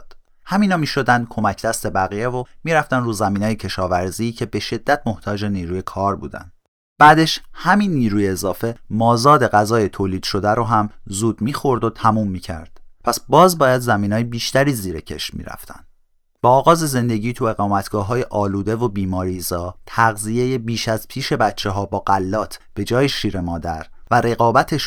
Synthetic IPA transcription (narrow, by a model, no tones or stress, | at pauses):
d̪̥ | hæmiːnɒːmiːʃo̞d̪ænd̪̥̚kʰo̞mæcʰd̪̥æst̪e̞bæɣijevomiːɾæft̪ænruːzæmiːnːjecʰe̞ʃɒːvæɾziːcʰe̞be̞ʃe̞d̪̥ːæt̪ʰmo̞ht̪ʰɒːd͡ʒe̞niːɾuːje̞kʰɒːɾbṵːd̪æ̰nd̥̪ | b̥æːd̪e̞ʃhæmiːnːiːɾuːjeːzɒːfe̞mɒːzɒːd̪e̞ɣæzɒːjet̪ʰoːliːd̪̥ʃo̞d̪æɾoɦæmzuːd̪miːxo̞ɾd̪ot̪ʰæmuːmːiːcʰæ̰ɾd̪̥pʰæsbɒːzbɒːjæd̪zæmiːnɒːjebiːʃt̪æɾiːziːɾecʰe̞̰ʃmḭːɾæ̰ft̪ʰæ̰nd̪̥ | b̥ɒːɣɒːze̞ze̞nd̪e̞ɟiːt̪ʰue̞ɣɒːmæt̪ʰɡ̥ɒːɦɒːjeʔɒːluːd̪e̞vobiːmɒːɾiːzɒːt̪ʰæɣzije̞jebiːʃæz̥pʰiːʃe̞bæt͡ʃʰːeɦɒːbɒːɣælːɒːt̪ʰb̥e̞d͡ʒɒːjeʃiːɾe̞mɒːd̪æɾvæɾe̞ɣɒːbæt̪ʰe̞ʃ